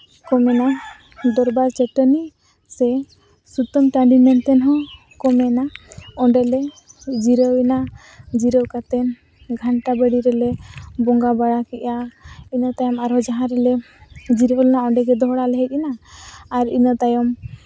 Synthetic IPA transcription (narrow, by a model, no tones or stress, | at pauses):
kɔmɛna | d̪ɔɾbaɾt͡ʃɛʈɔni | sɛ | sut̪ɔmʈaɳɖimɛnt̪ɛnɦɔ̃ | kɔmɛnaɔɳɖɛlɛ | d͡ʒiɾəwɛna | d͡ʒiɾəwkat̪ɛn | ɡʱaɳʈabəɽiɾɛlɛbɔŋɡabaɽakɛʔainɔt̪ajɔmaɾɦɔd͡ʒaɦãɾɛlɛ | d͡ʒiɾəwlɛnaɔɳɖɛɡɛd̪ɔɦɽalɛɦɛc̚ˀɛnaː | ɾḭnɔt̪ajɔm